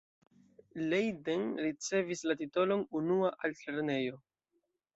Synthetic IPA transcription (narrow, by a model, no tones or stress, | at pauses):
lejdenɾit͡se̞vislat̬ito̞lo̞nunuaʔalteɾne̞jo̞